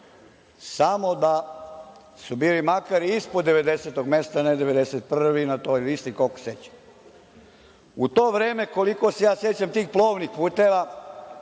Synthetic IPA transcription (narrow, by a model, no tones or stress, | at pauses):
samo̞d̪a | subiːlimakaɾiispod̪ːe̞ʋe̞d̪e̞set̪oɡme̞st̪aned̪e̞ʋe̞d̪eset̪̚pr̩ʋinat̪o̞jlist̪ikoko̥sjet͡ɕḁ | ut̪oːʋɾeːme̞ko̞liko̞se̞jaːsje̞t͡ɕamt̪iːxplˠoːʋnixpuːt̪eːʋa